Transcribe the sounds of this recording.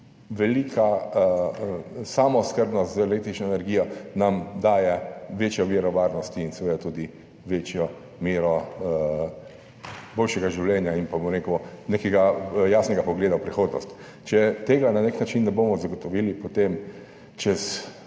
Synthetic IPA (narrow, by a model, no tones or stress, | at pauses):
ʋɛlikʰa | samɔskəɾbnɔst̪zelek̚t̪ɾit͡ʃnɔenɛɾɡiːjɔnamd̪aːjɛʋeːt͡ʃjɔʋiɾɔʋaːɾnɔst̪iːnsɛʋeːd̪at̪uːd̪i | ʋeːt͡ʃjɔ | meːɾɔ | boːlʃɛɡaʒiwljɛːnjainpabomɾekɔnekɛɡajaːsnɛɡapɔɡleːd̪awpɾixoːd̪nɔ̰st̪ | t͡ʃɛt̪eːɡananeknat͡ʃinːɛboːmɔzaɡɔt̪ɔʋiːlipot̪em | t͡ʃɛs